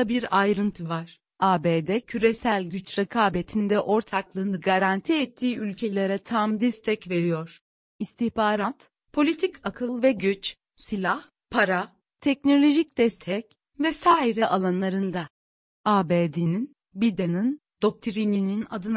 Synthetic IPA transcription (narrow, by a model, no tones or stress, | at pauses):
abiɾajɾɯnt̪ʰɯvaɾ̥ | aːbeːd̪ɛcʰyɾesælʲɟyt͡ʃɾɛkʰaːbet̪ʰind̪ɛʔo̞ɾt̪ʰaklˠɯːnɯɡaɾant̪ʰiɛt̪ʰːiːʔylʲcʰe̞lʲeɾɛt̪ʰamd̪ɛst̪ʰɛcve̞ɾijo̞ɾ̥ | ist̪ʰihbaːɾat̪ | pʰo̞lʲit̪ʰicʰakʰɯlˠvɛɟyt͡ʃ | silʲah | pʰaɾa | t̪ʰɛc̚no̞lʲo̞ʒic̚d̪̥ɛst̪ʰɛc | vɛsaːiɾɛʔalˠanlˠaɾɯnd̪a | aːbeːd̪inin | bid̪enɯn | d̪̥o̞k̚t̪ʰiɾininina̰d̪ɯn